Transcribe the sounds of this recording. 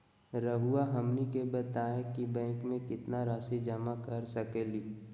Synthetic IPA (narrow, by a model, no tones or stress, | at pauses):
ɾəɦuaɦɐmnikebɐt̪aːkibɛ̃ːŋkmẽkɪt̪naɾaːsid͡ʒəmakɐɾsɐkeːliː